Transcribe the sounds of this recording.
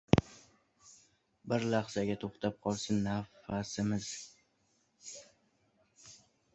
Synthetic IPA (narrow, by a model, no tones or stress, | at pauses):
bɪɾlaχsaɡʲat̪ʰoχt̪ʰap̚qʰɒlˠsɪnːafasɪmɪz̥